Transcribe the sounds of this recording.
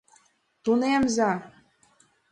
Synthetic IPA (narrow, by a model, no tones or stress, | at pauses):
t̪unemzɑ